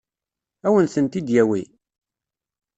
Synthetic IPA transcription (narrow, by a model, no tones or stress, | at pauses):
æwənθənt̪id̪jæwi